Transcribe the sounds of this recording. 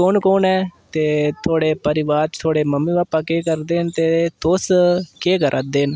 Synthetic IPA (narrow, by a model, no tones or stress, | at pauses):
koːnkoːnɛːt̪eːt̪ʰoːɽeːpəɾɪʋaːɾt̪ʰoːɽeːməmːĩːʋaːpːãːkeːkəɾd̪eːnt̪eːt̪oːskeːkəɾʔaːd̪eːn